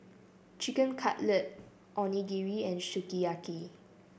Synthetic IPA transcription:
t͡ʃikə̃nkʰatlət̚ | ʔɔniɡiɹiɛ̃nʃukiaki

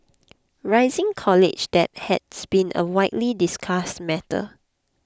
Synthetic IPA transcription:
ɹaɪzɪ̃ŋkʰɔlɪ̰d͡ʒdɛt̚hɛtsb̥ĩnʔə̰waɪʔlidiskʰastmɛtə̰

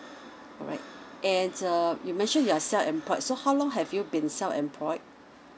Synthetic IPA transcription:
ɔ̰ɹa̰ɪt̚ʔɛ̃ndʌjumɛ̃nʃə̃njuasɛlfɛ̰̃mpʰɔɪtsohawlɔ̃ŋɦɛvjubĩnsɛlfɛ̰̃mpʰlɔɪt̚

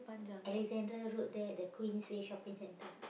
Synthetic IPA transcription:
pad͡ʒaʔɛlɛkzɛ̃ndɾaɹot̚dɛɛʔ̚dəkʰwĩnsweʃɔpĩŋsɛ̃ntə

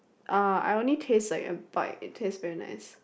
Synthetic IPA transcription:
ʔʌa̰ɪõnlitʰestlaɪkə̰b̥a̰ɪtʰestvɛɹina̰ɪs

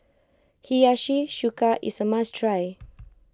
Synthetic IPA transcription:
hijaʃiʃukaʔḭsəmastɾaj

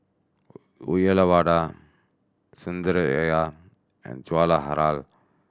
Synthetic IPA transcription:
ujɛlaβaːɖa | sund̪əɾɛja | ɛ̰nt͡ʃuwalaɦaɾal

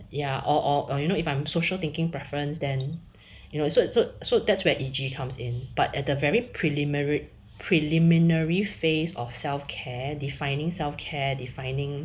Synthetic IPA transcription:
jaʔɔʔɔʔɔjunoɪfãɪ̃msoʃəlt̪ɪ̃ŋkɪ̃ŋpɹɛfəɹə̃nsdɛ̃n | junosososodɛtswɛʔid͡ʒikʰãmsɪ̰̃nb̥atɛt̚dəvɛɹipʰɹilimɹ | pʰɹilĩmĩnəɹifesɔ̰fsɛlfkʰɛdifãɪ̃nɪ̃ŋsɛlfkʰɛdifãɪ̃nɪ̃ŋ

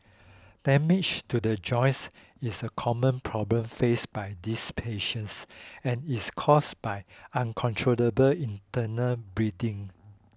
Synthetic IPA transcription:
d̥ɛmit͡ʃtudəd͡ʒɔ̃ɪ̃ns | isəkʰɔmə̃npʰɹɔblə̃mfesbajdispʰeʃə̃nsɛ̃niskʰɔsbajãnkʰɔ̃ntʰɹoləbəlĩntənəlbɹidĩŋ

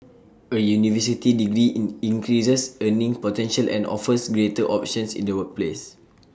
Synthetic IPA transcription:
əjunivəs̬itidiɡɾiʔnĩŋkɹisəsənĩŋpɔtɛ̃nʃəlʔɛ̰̃nɔ̰fəsɡɹetəʔɔp̚ʃɔ̃nsḭ̃ndəwək̚ples

